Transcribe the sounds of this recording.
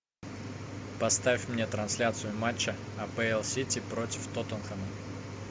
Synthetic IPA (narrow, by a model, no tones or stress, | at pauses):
pɐst̪afʲmnʲet̪ɾɐnsʲlʲat̪sɨjʊmat͡ɕːə | ɐpɛɛlˠsʲitʲipɾotʲɪft̪ot̪ənxənə